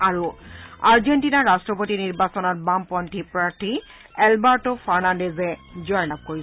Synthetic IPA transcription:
aɹuaɹd͡ʒentinaːastɹɔpotiniɹbasɔnɔt̚bampɔntʰipɹaɹt̪ʰi | ɛlbaɹtofʰaɹnandezed͡ʑɔjlab̚koɹi

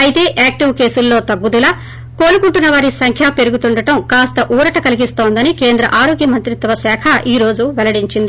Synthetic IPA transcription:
ɐjit̪e̞ːʔaːk̚ʈiwke̞ːsulːo̞ːt̪ɐɡːud̪ulaː | ko̞ːɾukuɳʈunːɐʋaːɾisɐŋkʰjaːpe̞ɾuɡut̪uɳɖɐʈɐmkaːst̪ɐʔuːɾɐʈɐkɐliɡist̪o̞ːnd̪ɐnike̞ːnd̪ɾɐ̰ʔaːɾo̞ːɡjɐmɐnt̪ɾit̪ʋɐsɛːkʰɐʔiːɾo̞ːd͡ʒuʋɛlɐɽiɲt͡ʃind̪i

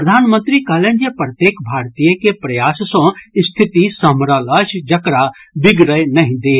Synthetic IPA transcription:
əd̪ʱaːnmə̃nt̪ɾikaːlend͡ʒepɾət̪jeːkbʱaːɾt̪ijəkepɾɐjaːssõst̪ʰɪt̪isɐmɾələʃd͡ʒɐkɾa | bɪɡɾəjnɐɦĩd̪eː

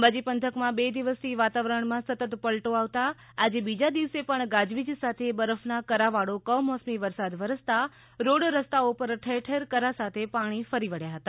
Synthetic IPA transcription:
əmbad͡ʒipənt̪ʰəkmãbed̪iʋəst̪ʰiʋat̪aʋɾəɳmãsət̪ət̪pəlʈoaʋt̪aː | d͡ʒebid͡ʒad̪iʋəsepəɳɡad͡ʒʋid͡ʒsat̪ʰebəɾəfnakəɾaʋaɽokəmɔsmiʋəɾsad̪ʋəɾəst̪a | ɾoɽɾəst̪aopəɾʈʰeʈʰeɾkəɾasat̪ʰepaɽ̃ifəɾiʋəɽjaɦət̪a

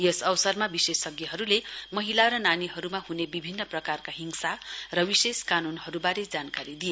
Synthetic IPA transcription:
jʌsʌwsʌrmabisesʌɡjʌɦʌɾulemʌɦilaɾʌnaniɦʌɾumaɦunebibʱinːʌprʌkarkaɦiŋsarʌwiseskanunɦʌɾubaɾed͡zankaɾid̪ije

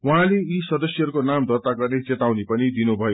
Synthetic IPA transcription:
wɦãleisʌd̪ʌsjʌɦʌɾukonamd̪ʱʌt̪aɡʌrnet͡set̪awnepʌnid̪inubʱʌjo

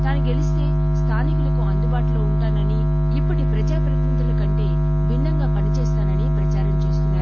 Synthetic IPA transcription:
t̪aːnɐɡelist̪e̞ː | st̪ʰaːnikulɐkuɐnd̪ubaːʈuloːuɳʈaːnɐni | ipːɐʈipɾɐd͡ʒaːpɾɐt̪int̪ɐlɐkɐɳʈe̞ː | bind̪ɐŋɡaːpɐnit͡ʃɛːst̪aːnɐnipɾɐt͡ʃaːɾɐmt͡ʃeːst̪unːaːɾu

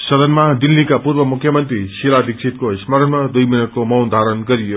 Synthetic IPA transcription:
sʌd̪ʌnmad̪ilːikapuɾbʌmukʰːjʌmʌnt̪ɾisilad̪ʱiksʰit̪̚kosmʌɾʌnmad̪ujminʌʈ̚komʌwd̪ʱaɾʌnɡʌɾijo

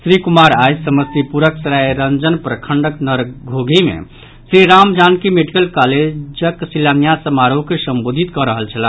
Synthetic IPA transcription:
sɾikumaɾajd͡ʒsəməst̪ipuɾəksɾajɾənd͡ʒənpɾəkʰəɳɖəknəɾɡʱoɡʱimḛ | sɾiɾamd͡ʒankimeɖikəlkaled͡ʒəksilanjasəmaɾoɦkesəmbod̪ʱit̪kɔɾəɦəlt͡ʃʰəlan

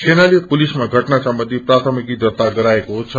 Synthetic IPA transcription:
sʰenalipulismaɡʱʌʈnasʌmbʌnd̪ʱiprat̪ʰʌmikid̪ʌt̪aɡʌɾaekot͡sʰʌ

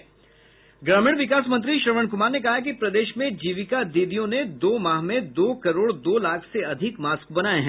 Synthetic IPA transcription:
ɡɾaːmiːɽ̃ʋɪkaːs̬mɐ̃nt̪̬ɾiʃɾəʋəɳ̃kʊmaːɾnekɐɦak̬ipɾɐd̪eːʃmẽd͡ʒiːʋɪkad̪iːd̪ijõned̪oːmaːɦmẽd̪oːkɐɾoːɽd̪oːlaːkʰseɐd̪ʱɪkmaːskbɐnaːeɦɛ̃

